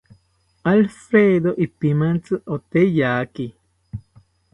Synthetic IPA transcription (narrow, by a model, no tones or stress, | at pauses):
alfɾeðoʔipimant͡sɨʔot̪ejaːki